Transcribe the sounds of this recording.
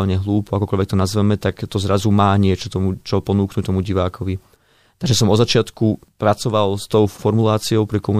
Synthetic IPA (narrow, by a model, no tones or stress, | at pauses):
lɲɛɦluːpɔakɔkɔʎʋɛk̚t̪ɔnazʋɛmɛt̪akt̪ɔzɾazumaːɲɪɛt͡ʃɔt̪ɔmut͡ʃɔpɔnuːknuct̪ɔmuɟiʋaːkʰɔʋi | t̪aɡʒɛsɔmɔzat͡ʃɪat̪kupɾat͡sɔʋalst̪ɔʊfɔɾmulaːt͡siɔʊpɾikɔmu